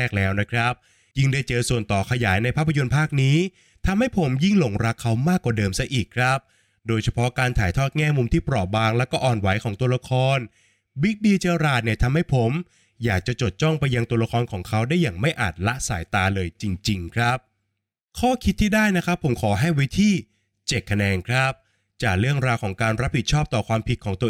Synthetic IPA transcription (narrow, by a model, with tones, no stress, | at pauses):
k̚lɛː˦˥wna˦˥kʰɾa˦˥p̚ | ji˥˩ŋdaː˥˩jt͡ɕɤː˧su˨˩ənt̪ɔː˨˩kʰa˧jaː˩˦jna˧jpʰaː˥˩pʰːa˧jo˧npʰaː˥˩k̚niː˦˥ | t̪ʰa˧mha˥˩jpʰo˩˦mji˥˩ŋlo˨˩˦ŋɾa˦˥kʰːa˦˥wmaː˥˩kːwaː˨˩dɤː˧msa˦˥ʔiː˨˩kʰɾa˦˥p̚ | doː˧jt͡ɕʰa˧pʰɔ˦˥kaː˧nt̪ʰaː˩˦jt̪ʰɔː˥˩t̪̚ŋɛː˥˩mu˧mt̪ʰiː˥˩pɾɔː˨˩p̚baː˧ŋlɛː˦˥wkɔː˥˩ʔɔː˨˩nwa˩˦jkʰɔː˩˦ŋt̪u˧ɐɾa˧˥kʰɔː˧n | wi˦˥k̚diː˧t͡ɕeː˧ɾaː˨˩t̪̚ni˧˩ɐt̪ʰa˧mha˥˩jpʰo˩˦m | jaː˨˩k̚t͡ɕa˨˩t͡ɕo˨˩t̪̚t͡ɕɔ˥˩ŋpa˧jːa˧ŋt̪u˧ɐɾa˧˥kʰɔː˧nkʰɔː˩˦ŋkʰa˦˥wdaː˥˩jːaː˨˩ŋma˥˩jʔaː˨˩t̪̚la˦˥ʔsa̰ː˩˦jt̪aː˧lɤː˧jt͡ɕi˧ŋt͡ɕi˧ŋkʰɾa˦˥p̚ | kʰɔː˥˩kʰi˦˥t̪ʰːiː˥˩daː˥˩jna˦˥kʰɾa˦˥pʰːo˩˦mkʰɔː˩˦ɦa˥˩jwi˦˥t̪ʰiː˥˩ | t͡ɕe˨˩kʰːa˧nɛː˧nkʰɾa˦˥p̚ | t͡ɕaː˨˩k̚ɾɯ˥˩əŋɾaː˧wkʰɔː˩˦ŋkaː˧nɾa˦˥p̚hi˨˩t̪̚t͡ɕʰɔː˥˩p̚t̪ɔː˨˩kʰwaː˧mpʰi˨˩t̪̚kʰɔː˩˦ŋt̪u˧